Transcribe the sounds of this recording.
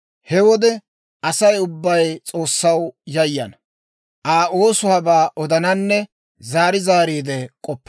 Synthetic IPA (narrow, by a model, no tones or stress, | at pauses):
hɛwɔd̪ɛ | ɐsɐjʊbːɐjt͡sʼo̞ːsːɐwjɐjːɐ̰nɐ | ʔaːoːsʊɐbaːʔɔd̪ɐnɐnːɛ | zaːɾɪzaːɾiːd̪ɛkʼɔpːɐ